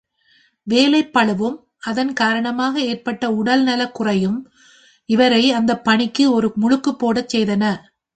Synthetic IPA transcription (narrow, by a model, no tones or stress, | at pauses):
ʋeːlɐɪpːɐɭɯʋɯm | ɐðɐnkaːɾɐɳɐmaːɣɐeːrpɐʈːɐʊɽɐlnɐlɐkːʊrɐjɯm | ɪʋɐɾɐɪɐnd̪ɐpːɐɳɪkːɯɔɾɯmʊɻɯkːɯpːoːɽɐt͡ʃsɛjðɐnɐ